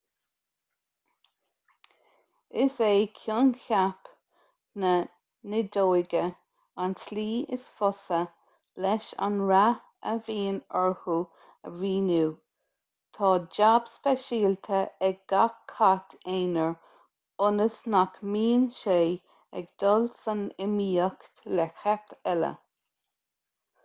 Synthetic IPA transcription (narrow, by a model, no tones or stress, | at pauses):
ɪseːkʰjʊnçap | nə | nɪd̪oːɪɡə | ansliːɪ̰sfɔsə | lɛʃa̰nɹa | ə̰viːnɛɹhu | əviːnuː | t̪ʰɑːd͡ʒabspɛʃiːlt̪ʰəɛɡ̚ɡ̥akʰːat̪ʰeːnəɹ | ʊnəsnakmiːnʃeː | ɛ̰ɡ̚d̪ɔlsanɪmiːəkt̪lɛxɛpʰɛlə̰